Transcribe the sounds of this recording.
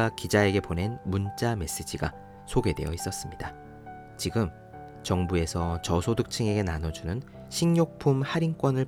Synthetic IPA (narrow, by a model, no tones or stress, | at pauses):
akid͡ʑae̞ɡe̞pone̞nmunt͡ɕ͈ame̞s͈ɯd͡ʑiɡa̰ | sʰoɡe̞de̞̰jʌ̰is͈ʌs͈ɯmɲida | t͡ɕiɡɯm | t͡ɕʌŋbue̞sʰʌt͡ɕʌsʰodɯk̚t͡ɕʰɯŋe̞ɡe̞nanʌd͡ʑunɯn | ɕʰiŋɲok̚pʰumhaɾiŋk͈wʌnɯɭ